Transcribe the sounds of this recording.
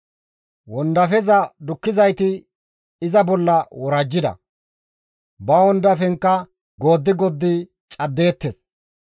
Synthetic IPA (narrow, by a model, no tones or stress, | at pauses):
wɔnd̪ɐfɛzɐd̪ʊkːɪzɐjt̪ɪ | ɪzɐbɔlːɐwɔɾɐd͡ʒːɪd̪ɐ̰ | bɐwɔnd̪ɐfɛŋkːɐ | ɡo̞ːd̪ːɪɡɔd̪ːɪ | t͡ʃʼɐd̪ːe̞ːt̪ːes